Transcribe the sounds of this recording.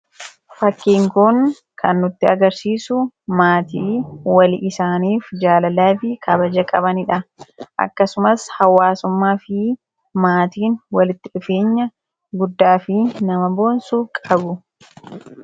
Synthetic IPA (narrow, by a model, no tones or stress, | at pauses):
fɐkːiːŋkʊŋ | kʰɐnːʊt̪ːɪɐɡɐɾsiːsʊmaːt̪iːwɐlɪʔɪsaːniːfd͡ʒaːlɐlaːfɪkʰɐbɐd͡ʒɐkʼɐbɐnɪᶑɐʔɐ̰kːɐsʊmɐshɐwaːsʊmːaːfɪ | maːt̪iːnwɐlɪt̪ːɪᶑʊfe̞ːɲːɐ | ɡʊd̪ːaːfɪnɐmɐbo̞ːnsuːkʼɐbʊ